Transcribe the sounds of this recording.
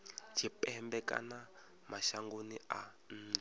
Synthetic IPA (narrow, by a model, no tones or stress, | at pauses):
t͡ʃʰipɛɛmbɛka̰na | maʃaŋɡonia | n̩ːa